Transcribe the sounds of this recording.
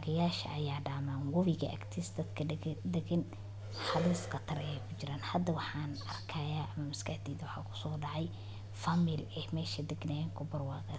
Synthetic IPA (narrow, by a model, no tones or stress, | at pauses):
aɣɐjaːʃɐ̰ʔɐjaːɖaːmaːnwɐβɪɣɐ̰ʔɐkt̪ʰɪsd̪ɐd̪kʰɐd̪ɛɡɐn | ħɑliːskʰɐt̪ʰɐɾɛɛjkʰʊt͡ʃɪɾaːnhɐd̪ɐwɑħɑːnɐrkʰɐːjaːʔɐmɐmɪskʰɐhd̪iːðɐwɑħɑːkʰʊ̥sɔːɖɑʕɑj | fɐmɪlɛhmɛːʃɐd̪ɛɡnɛŋkʰʊbɐrwɑːɣɐ